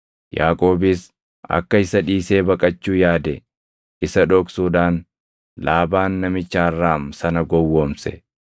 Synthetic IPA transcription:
jaːkʼo̞ːbɪs | ɐ̰kːɐɪsɐᶑiːse̞ːbɐkʼɐt͡ʃːuːjaːd̪ɛ | ʔɪsɐᶑoːksuːd̪aːn | laːbaːnːɐmɪt͡ʃːaːrːaːmsɐnɐɡɔwːoːmsɛ

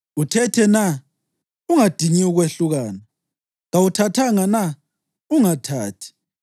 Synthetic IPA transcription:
utʰɛtʰɛna | uŋad̥ʱiniuɣweɬuɣaːna | ŋawutʰatʰaŋana | uŋatʰaːtʰi̥

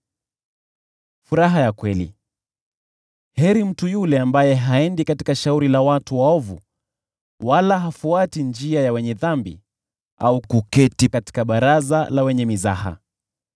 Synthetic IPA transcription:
fuɾaɦajakwɛlḭ | hɛɾim̩tujulɛambajɛɦaɛndikati̥kaʃauɾilawatuwaɔvṵ | walaɦafuatind͡ʒiajawɛɲɛðambḭ | aukukɛtikati̥kaɓaɾazalawɛɲɛmiza̰ha̰

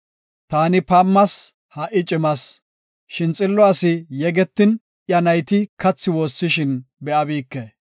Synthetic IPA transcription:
t̪aːnɪpɐmːɐs | hɐʔɪt͡ʃʼɪmɐs | ʃɪnt͡sʼɪlːɔɐsɪjɛɡɛt̪ːɪn | ʔjɐnɐjt̪ɪkɐt͡sːɪwoːsːɪʃɪnbɛʔɐbiːkːɛ

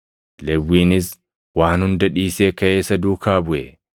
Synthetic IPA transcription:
lɛwːiːnɪs | waːnhʊnd̪ɐᶑiːse̞ːkɐʔeːsɐd̪uːkaːbʊʔɛ

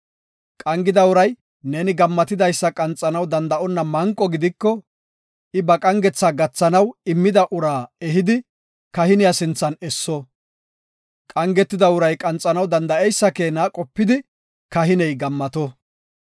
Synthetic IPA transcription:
kʼɐŋɡɪd̪ɐʊɾɐj | ne̞ːnɪɡɐmːɐt̪ɪd̪ɐjsːɐkʼɐnt͡sʼːɐnɐwd̪ɐnd̪ɐʔɔnːɐmɐŋkʼːɔɡɪd̪ɪkːɔ | ʔɪbɐkʼɐŋɡɛt͡sːaːɡɐt͡sːɐnɐwɪmːɪd̪ɐʔʊɾaːɛɦɪd̪ɪ | kɐhɪnɪjasɪnt͡sːɐnɛsːɔ | kʼɐŋɡɛt̪ːɪd̪ɐʊɾɐjkʼɐnt͡sʼːɐnɐwd̪ɐnd̪ɐɛjsːɐkeːnaːkʼɔpːɪd̪ɪ | kɐɦɪnɛjɡɐmːɐt̪ɔ

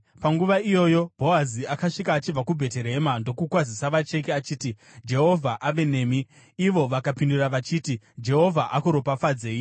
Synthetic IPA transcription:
paŋɡuʋaijo̞ːjo̞bʱo̞aziakaʂikaːt͡ʃib͡vakubʱe̞te̞ɾe̞mando̞kukwazisaʋat͡ʃe̞keat͡ʃiːti | d͡ʒe̞ɦo̞vʱaʔaʋe̞ne̞ːmiː | ʋo̞ʋakapinduraʋat͡ʃiːti | d͡ʒe̞ɦo̞vʱaʔakuɾopafad͡zeːi

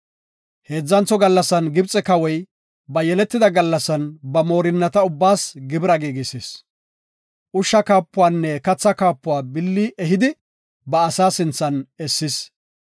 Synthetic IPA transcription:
he̞ːd͡zːɐnt͡sːɔɡɐlːɐsɐnɡɪbt͡sʼɛkɐwɔj | bɐjɛlɛt̪ːɪd̪ɐɡɐlːɐsɐnbɐmo̞ːɾɪnːɐt̪ɐʊbːaːsɡɪbɪɾɐɡiːɡɪses | ʔʊʃːɐkaːpːʊwaːnːɛkɐt͡sːɐkaːpːʊwaːbɪlːiʔɛɦɪd̪ɪ | bɐːsaːsɪnt͡sːɐnɛsːɪs

